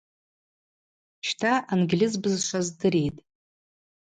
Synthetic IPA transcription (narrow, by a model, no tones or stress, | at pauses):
t͡ʃʰtʰaʔanɡʲlʲizbɨzʃʷazdɨɾejtʼ